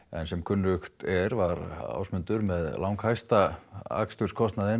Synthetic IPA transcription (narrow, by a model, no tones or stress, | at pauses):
ɛ̰nsɛmkʰʏnːʏxt̪ɛɾvaɾa̰wsmʏnt̪ʏɾmɛðlawŋkhajst̪aa̰kst̪ʏɾ̥skʰɔst̪naðɪn